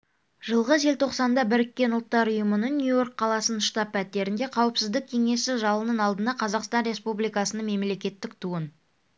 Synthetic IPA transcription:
ʒəlˠʁəze̞lʲt̪ʰo̞qsɑnd̪ɑbɪɾɪkʲːe̞nʊlˠt̪ːɑɾʊjəmənəɴnʲjujo̞rkqʰːɑlˠɑsənʃt̪ɑpːæt̪ːe̞ɾɪnd̪e̞qʰɑwəpsɪzd̪ɪk̚kʲʰe̞ŋe̞sɪʒɑlˠənənɑlˠd̪ənɑqʰɑzɑqst̪ɑnɾe̞spublijkɑsənəɴme̞mle̞kʲe̞t̪ːɪk̚t̪ʰuən

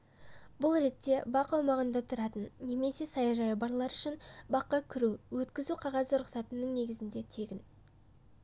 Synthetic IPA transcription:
bʊlˠɾe̞t̪ːe̞bɑqɑwmɑʁənd̪ɑt̪ʰʊɾɑt̪ənːe̞me̞se̞sɑjɑʒɑjəbɑɾlˠɑɾʏʃɪnbɑqːɑkʲʰʏɾuwɵt̪kʲɪzuqʰɑʁɑzəɾʊqsɑt̪ənəɴne̞ɡʲɪzɪnd̪e̞t̪ʰe̞ɡʲɪn

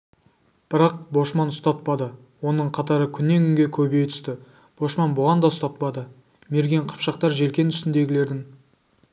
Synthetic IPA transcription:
b̥ɪɾɑq̚bo̞ʃmɑnʊst̪ɑt̪̚pɑd̪ə | wo̞nəɴqʰɑt̪ɑɾəkʲʰʏnːe̞ŋkʲʰʏŋɡʲe̞kʲʰɵbe̞jt̪ʰʏ̥st̪ɪ | b̥o̞ʃmɑnbʊʁɑnd̪ɑʊst̪ɑt̪̚pɑd̪ə | me̞ɾɡʲe̞ɴqʰɑ̥pʃɑq̚t̪ɑɾʒe̞lkʲe̞nʰʏst̪ɪnd̪e̞ɡʲɪle̞ɾd̪ɪŋ

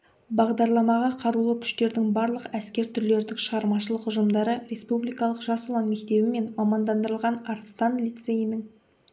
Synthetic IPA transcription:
bɑʁd̪ɑɾlˠɑmɑʁɑqʰɑɾulˠəkʲʰʏ̥ʃt̪e̞ɾd̪ɪŋbɑɾlˠəqæskʲe̞ɾt̪ʰʏɾle̞ɾɪd̪ɪkʃəʁɑɾmɑʃəlˠəqʊʒəmd̪ɑɾəɾʲe̞spublʲijkɑlˠəqʒɑsʊlˠɑnme̞kt̪e̞bɪme̞nmɑmɑnd̪ɑnd̪əɾəlˠʁɑnɑɾt̪st̪ɑnlʲijt̪se̞jinɪŋ

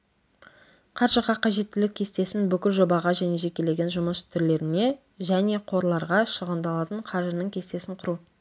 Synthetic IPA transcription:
qʰɑɾʒəʁɑqʰɑʒe̞t̪ːɪlɪkʲʰːe̞st̪e̞sɪnbʏkʲɪlʒo̞bɑʁɑʒæne̞ʒe̞kʲe̞le̞ɡʲe̞nʒʊməst̪ʰʏɾle̞ɾɪne̞ | ʒæne̞qʰo̞ɾlˠɑɾʁɑʃəʁənd̪ɑlˠɑt̪əɴqʰɑɾʒənəɴkʲʰe̞st̪e̞sɪŋqʰʊɾu

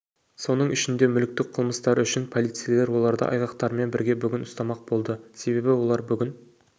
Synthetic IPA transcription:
so̞nəɴʔʏʃɪnd̪e̞mʏlɪk̚t̪ɪkqʰəlˠməst̪ɑɾʏʃɪnpʰo̞lˠijt̪sɨijelˠe̞ɾwo̞lˠɑɾd̪ə̰ʔɑ̰jʁɑqt̪ɑɾme̞nbɪɾɡʲe̞bʏɡʲɪnʊst̪ɑmɑq̚bo̞lˠd̪əse̞be̞bɪwo̞lˠɑɾbʏɡʲɪn

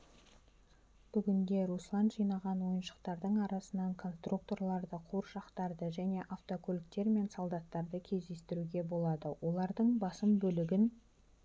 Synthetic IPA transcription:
b̥ʏɡʲɪnd̪e̞ɾuslˠɑnd̪ʒijnɑʁɑnwo̞jənʃə̥qt̪ɑɾd̪əɴɑɾɑsənɑɴkʰo̞nst̪ruk̚t̪o̞rlˠɑɾd̪əqʰuɾʃɑqt̪ɑɾd̪əʒæne̞ʔaft̪o̞kʲʰolɪkt̪e̞ɾme̞nsolˠd̪ɑt̪ːɑɾd̪əkʲʰe̞zd̪e̞st̪ɪɾuɡʲe̞bo̞lˠɑd̪əwʔo̞lˠɑɾd̪əɴbɑsəmbɵlɪɡʲɪn

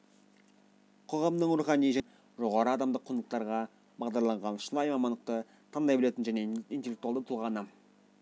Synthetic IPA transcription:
qʰoʁɑmd̪əɴɾuχɑnijʒæ | ʒo̞ʁɑɾəɑd̪ɑmd̪əqʰːʊnləq̚t̪ɑɾʁɑ | bɑʁd̪ɑɾlˠɑɴʁɑnʃəlˠɑjmɑmɑnd̪əq̚t̪ə | t̪ʰɑnd̪ɑjbɪle̞t̪ɪnʒæneint̪elːk̚t̪uɑld̪ət̪ʰulˠʁɑnə

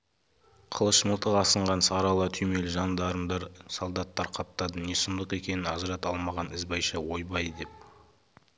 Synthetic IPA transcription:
qʰəlˠəʃməlˠt̪əqɑsəɴʁɑnsɑɾɑlˠət̪ʰʏjme̞lɪʒɑnd̪ɑɾəmd̪ɑɾsolˠd̪ɑt̪ːɑɾqʰɑp̚t̪ɑd̪əne̞səmd̪əqe̞kʲe̞nɪnɑzɑɾɑt̪ɑlˠmɑʁɑnɪzbɑjʃɑwo̞jbɑj̪əd̪e̞p̚

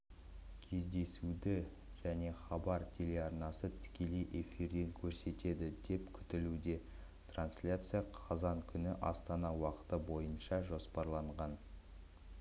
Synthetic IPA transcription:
kʲʰe̞zd̪e̞sud̪ɪ | ʒ̥æne̞χɑbɑɾt̪ʲʰe̞leɑɾnɑsət̪ʰɪ̥kʲe̞le̞jʔe̞fiɾd̪e̞ŋkʲʰɵɾse̞t̪e̞d̪ɪd̪e̞pkʲʰʏ̥t̪ɪlud̪e̞ | t̪ranslʲat̪sɨjaqʰɑzɑŋkʲʰʏnɪʔɑ̰st̪ɑnɑwɑqə̥t̪əbo̞jənʃɑʒo̞spɑɾlˠɑɴʁɑn

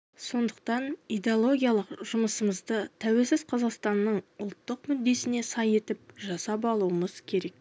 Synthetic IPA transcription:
so̞nd̪əq̚t̪ɑnijd̪eolˠo̞ɡʲijalˠəqʒʊməsəməzd̪ət̪ʰæwe̞lsɪzqʰɑzɑqst̪ɑnːəɴʊlˠt̪ːəqmʏd̪ːe̞sɪne̞sɑje̞t̪ɪp̚ʒɑsɑpɑlˠuəməz̥kʲʰe̞ɾe̞k̚

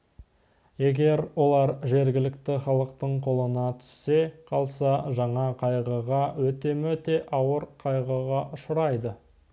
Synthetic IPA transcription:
je̞ɡʲe̞ɾwo̞lˠɑɾʒe̞ɾɡʲɪlɪk̚t̪ɪχɑlˠəqt̪əɴqʰo̞lˠənɑt̪ʰʏ̥sːe̞qʰɑlˠsɑʒɑɴɑqʰɑjʁəʁɑwɵt̪e̞mɵt̪e̞ʔɑwəɾqʰɑjʁəʁɑʔʊʃəɾɑjd̪ə

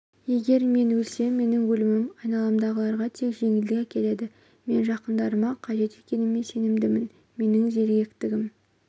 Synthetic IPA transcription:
je̞ɡʲe̞ɾme̞nwɵlse̞mːe̞nɪŋwɵlɪmɪmɑjnɑlˠɑmd̪ɑʁəlˠɑɾʁɑt̪ʰe̞kʒ̥e̞ŋɪld̪ɪkʲækʲʰe̞le̞d̪ɪ | me̞nʒɑqənd̪ɑɾəmɑqʰɑʒe̞t̪ekʲe̞nɪmːe̞se̞nɪmd̪ɪmɪn | me̞nɪŋʒe̞ɾɡʲe̞kt̪ɪɡʲɪm

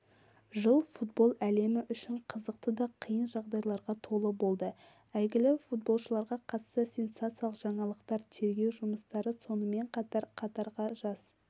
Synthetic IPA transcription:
ʒəlˠfut̪̚bo̞lˠæle̞mɪʔʏʃɪɴqʰəzəq̚t̪əd̪ɑqʰijənʒɑʁd̪ɑjlˠɑɾʁɑt̪ʰo̞lˠəbo̞lˠd̪ə | æjɡʲɪlɪfut̪̚bo̞lˠʃəlˠɑɾʁɑqʰɑt̪st̪əsʲe̞nsat̪sijalˠəqʒɑɴɑlˠəqt̪ɑɾt̪ʰe̞ɾɡʲe̞wʒʊməst̪ɑɾəso̞nəme̞ɴqʰɑt̪ɑɾqʰɑt̪ɑɾʁɑʒɑz

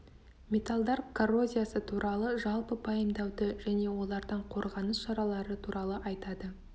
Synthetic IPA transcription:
mʲe̞t̪alˠd̪ɑɾkʰoro̞zʲijasət̪ʰuɾʔɑlˠəʒɑlˠpəpʰɑjəmd̪ɑwd̪əʒæne̞wo̞lˠɑɾd̪ɑɴqʰo̞ɾʁɑnəsʃɑɾɑlˠɑɾət̪ʰuɾʔɑlˠəʔɑjt̪ɑd̪ə

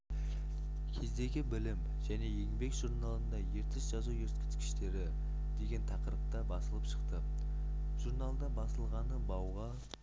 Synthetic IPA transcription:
kʲʰe̞zd̪e̞ɡʲɪbɪlɪm | ʒæne̞je̞ŋbe̞kʒuɾnɑlˠənd̪ɑje̞ɾt̪ɪsʒ̥ɑzujeɾt̪kʲɪ̥t̪kʲɪ̥ʃt̪e̞ɾɪ | d̪̥e̞ɡʲe̞nt̪ʰɑqəɾəp̚t̪ɑbɑsəlˠəpʃə̥qt̪ə | ʒ̥uɾnalˠd̪ɑbɑsəlˠʁɑnəbɑwʁɑ

